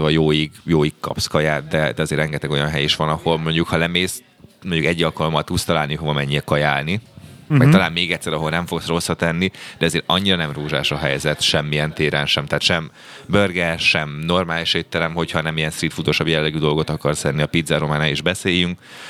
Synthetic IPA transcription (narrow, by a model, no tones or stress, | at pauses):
vɒjoːjiɡjoːjikkɒ̰pskɒjaːt̪̚d̪ɛd̪ɛɒzeːrɛŋɡɛt̪ɛɡo̞jɒnɦɛjiʃʋɒnɒho̞lmo̞ɲɟukhɒlɛmeːs | moɲɟukɛɟːɒlkɒlomːɒt̪ut̪st̪ɒlaːlniɦovɒmɛɲːiɛkɒjaːlniɛk̚t̪ɒlaːnmeːɡɛt̪ʲsːɛɾɒɦo̞lnɛɱfo̞ksro̞sːɒt̪ɛnːid̪ɛɒzeːɾɒɲːiɾɒnɛmruːʒa̰ːʃɒɦɛ̰jzɛt̪ʃɛmːijɛnt̪eːɾɛnʃɛmt̪aːt̪ʃɛm | børɡɛʃɛmno̞rmaːliʃet̪ːɛlɛmho̞chɒnɛmijɛnst̪rit̪fut̪o̞ʃɒbjɛlːɛɡyd̪o̞lɡo̞t̪ɒkɒrsɛnːiɒpid̪zɛɾo̞maːnaːliʒbɛseːjyŋk